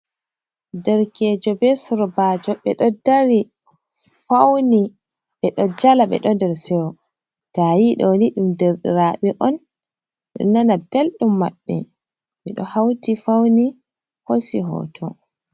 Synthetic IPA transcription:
dɛɾkɛd͡ʒɔbɛsɔɾɔbad͡ʒɔɓɛɗɔdaɾi | fawni | ɓɛɗɔd͡ʒalaɓɛ̰ɗɔndɛɾsɛwɔ | d̥ajiɗɔniɗumdeɾɗḭɾaɓɛʔɔn | ɗɔ̰nanab̥elɗumːaɓːɛ̰ | ɓɛɗɔhawtifawni | hosiɦɔ̰ːtʰɔ

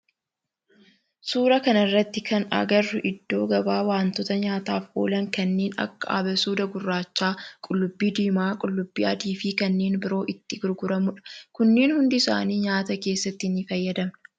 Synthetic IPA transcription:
suːɾɐkɐnɐrːɐt̪ːɪkʰɐnɐ̰ɡɐrʊʔɪd̪ːo̞ːɡɐbaːwaːnt̪ɔt̪ɐɲaːt̪aːfʔo̰ːlɐŋkɐnːeːnɐ̰kːɐɐ̰bɐsuːd̪ɐɡʊrːaːt͡ʃːaːkʼʊlːʊbːiːd̪iːmaːkʼʊlːʊbːiːʔɐd̪iːfiːkɐnːeːnbɪɾo̞ːʔɪt̪ːɪɡʊɾɡʊɾɐmʊᶑɐ̥kʊnːeːnhʊnd̪ɪɪsa̰ːniːɲaːt̪ɐke̞ːsːɐt̪ːɪɪnːɪfɐjːɐd̪ɐmn

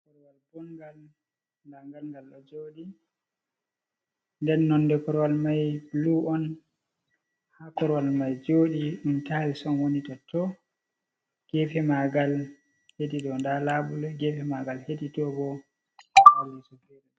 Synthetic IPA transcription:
kɔɾwalbɔŋɡal | ndaŋɡalŋɡalɗɔd͡ʒoɗi | ndɛnːɔndɛkɔɾwalmajbluɔn | hakɔɾwalmajd͡ʒoɗiɗuntalisɔnwonitɔtʰɔ | ɡ̥ɛfɛmaɡal | hediɗɔndalabulɛɡɛfɛmaɡalheditɔbɔ | halːɛsufeɾ

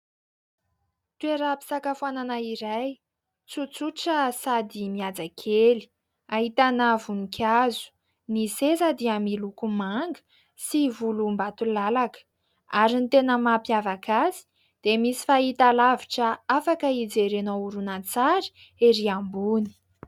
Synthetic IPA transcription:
t̪ueɾapi̥sakafuananaiɾaj | t͡sut͡suʈ͡ʂəsad̪imiad͡zakʰeli̥ | aɦit̪anavunikʲʰazu̥ | nisezad̪iamilukumaŋɡə̥ | sivulumbat̪ulalakə̥ | aɾinit̪enəmapjavakazi̥ | d̪̥emisi̥faɦit̪alaviʈ͡ʂəafakəid͡zeɾenouɾunant͡saɾi̥ | eɾiambuni̥

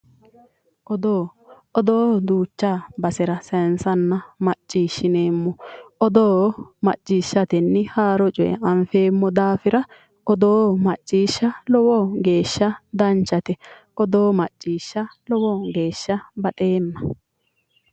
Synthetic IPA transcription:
ʔɔd̪oː | ɔd̪oːd̪uːt͡ʃːabɐsɪɾɐsɛnsɐnːɐmɐt͡ʃʼːiːʃːɪneːmːɔʔɔd̪oːmɐ̰t͡ʃʼːiːʃːɐt̪ɛnːɪhaːɾɔt͡ʃʼɔʔɛ̰ɐɱfe̞ːmːɔd̪aːfɪɾɐ | ʔɔd̪oːmɐt͡ʃʼːiːʃːɐlɔwɔːɡe̞ːʃːɐd̪ɐnt͡ʃːɐt̪ɛ | ʔɔd̪oːmɐt͡ʃʼːiːʃːɐlɔwɔːɡe̞ːʃːɐbɐt̪ʼeːnːɐ

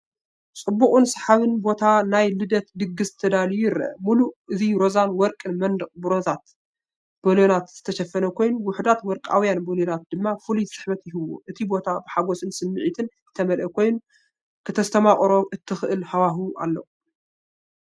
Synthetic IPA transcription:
t͡sʼɨbːuχʼunsɐħaβɨnbo̞t̪ʰanajlɨd̪ɐt̪d̪ɨɡːɨsɨt̪ʰɐd̪alijujɪɾɐ̰ʔmuluʔɨziɾo̞zanwɔɾkʼɨnmɐnd̪ɨqʼbɨɾozat̪ | b̥oljonat̪z̥ɨt̪ʰɐʃɐfːɐnɐkʰo̞jnuwʊħd̪at̪wɔɾkʼa̰wjanboljonat̪̚d̪ɨmːafɨlujsʼɨħbɐt̪jɪɦɨwːo̰ʔɨt̪ʰibo̞t̪ʰabɨħaɡo̞sɨnsɨmːɨʕit̪ʰɨnzɨt̪ʰɐmɐlʔɐkʰo̞jnu | kʰɨt̪ʰɐst̪ʰɐmaχʼɾo̞ʔɨt̪ʰːɨxʔɨlhawaɦuʔa̰lːɐ

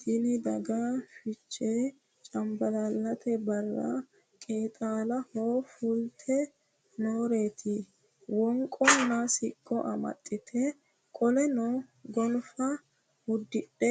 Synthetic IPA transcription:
d̪ɪlɪd̪ɐɡafɪt͡ʃʼːeː | t͡ʃʼɐmbɐlɐlːɐt̪ʰɛbɐrːɐ̰ | kʼeːt̪ʼaːlɐhoːfʊlt̪ʰɛ | noːɾe̞ːt̪ʰɪ | wɔŋkʼːɔnasɪkʼːɔʔɐmɐ̰t̪ʼːɪt̪ʰɛ | kʼɔlɛnoɡɔnfɐ | hʊd̪ːɪɗɛ

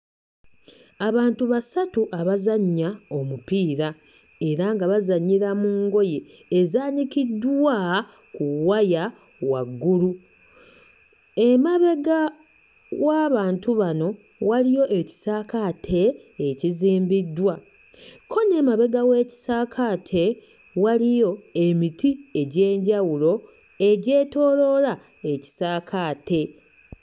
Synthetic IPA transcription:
aβaːntuβasatuʔaβazaɲːao̞mupiːɾa | e̞ɾaŋɡaβazaɲːiɾamuːŋɡo̞jeː | zaːnikidwa | kuwaja | wa̰ɡːulu | e̞maβe̞ɡa | waːβaːntuβano̞ | walijo̞ʔeci̥saːkatʰe̞ː | ciziːmbidːwa | kʰo̞ne̞maβe̞ɡawe̞ːci̥saːkʰaːtʰe̞ | walijo̞e̞mitʰie̞ɟe̞ːɲɟawulo̞ | e̞ɟe̞ːto̞ːlo̞ɾa | e̞ci̥saːkʰaːte̞

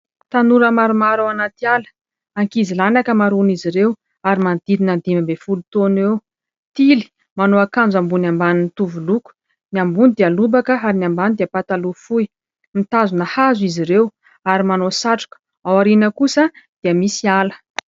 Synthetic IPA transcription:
t̪anuɾəmaɾumaɾawanat̪ialə̥ | aŋkizilanakəmaɾuniziɾew | aɾimand̪id̪inand̪immbefulut̪onwew | t̪ili̥ | manoakand͡zambunambaninit̪uvuluku̥ | niambunid̪ialubakəaɾinambanid̪iapat̪alufuj | mit̪azunahazuiziɾew | aɾimanosaʈ͡ʂu̥kə̥ | awaɾinəkusəd̪̥iəmisialə̥

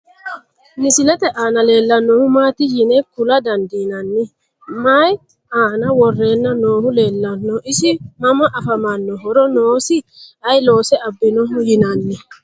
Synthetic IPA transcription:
nɪsɪlɛt̪ɛʔaːnɐle̞ːlːɐnːɔhʊmaːt̪ɪjɪnɛkʊlɐd̪ɐnd̪iːnɐnːɪ | maːj | aːnɐwɔrːe̞ːnːɐno̞ːhʊle̞ːlːɐnːɔʔɪsɪmɐmɐʔɐfɐmɐnːɔɦɔɾɔnoːsɪɐjlo̞ːsɛɐbːɪnɔɦʊjɪnɐnːɪ

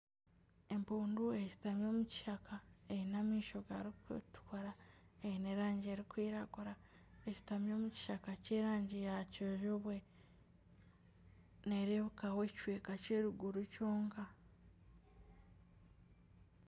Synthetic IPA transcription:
e̞mpuːndue̞ci̥tamjo̞ːmuci̥ʃakʰaejinamiːʃo̞ɡaɾiktu̥kʰoɾaeineɾaːɲɟieɾikwiːɾaɡuɾa | eci̥tamjo̞ːmuci̥ʃakaceɾaːɲɟijacoʒoβwe̞ | neɾeβukawe̞ci̥ʃweːkaceːɾuɡuɾucoːŋɡa

